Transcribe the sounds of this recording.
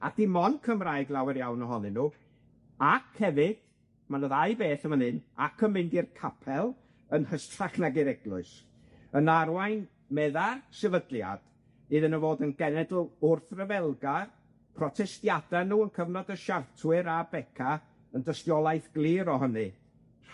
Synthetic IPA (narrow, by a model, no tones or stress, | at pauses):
a̰d̥imɔnkʰəmraːjɡlˠawɪɾjawnəɦɔnɨnuː | akʰhɛvɪd̥ | manoːðajbeːθəmənɨnakʰəmɪndirkʰapʰɛlˠ | ənhəstʰraknaɡɪɾɛɡlˠʊɨs | ənarwajn | mɛðasɛvədlˠja̰d̥ | iðənəvoːdənɡɛnɛdl̩ˠʊrθrəvɛlˠɡa | pʰrɔtʰɛstjadanuːənkʰəvnɔdəʃartʰwɨɾabɛkʰa | əndəstjɔlˠajθɡ̥lˠiːɾɔɦənɨ